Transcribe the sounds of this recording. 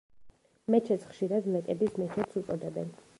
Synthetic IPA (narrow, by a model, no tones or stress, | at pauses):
mɛt͡ʃʰɛt̪sʰχʃiɾad̪lɛk̪ʼɛbismɛt͡ʃʰɛt̪sʰut̪sʼɔd̪ɛbɛn